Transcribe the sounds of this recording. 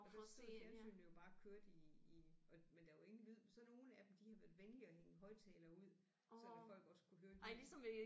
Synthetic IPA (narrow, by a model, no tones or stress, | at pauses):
ɒ̥seensy̰ːnəjo̝b̥ɑ̈ːkʰøɐ̰d̥iː | ɒ̽mend̥æe̝ŋn̩ʋið̰ˠsɒ̽no̝ːn̩æd̥emd̥ihɑ̈ʋæɐðˠʋenəliɒ̽heŋəɦɒ̽ɪ̰t͡sʰɛːlɐuð̰ˠ | sɒd̥æfɒ̽l̰ɡ̥ɒ̽skʰuɦøːɐd̥elisɒmʋe